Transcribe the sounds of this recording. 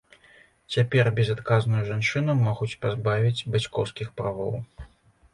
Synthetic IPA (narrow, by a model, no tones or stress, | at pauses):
t͡sʲapʲɛrbʲɛzat̪kaznɨjuʐant͡ʂɨnumɔɣut͡sʲpazbavʲid͡zʲbat͡sʲkɔ̰wskʲixpɾavɔ̰w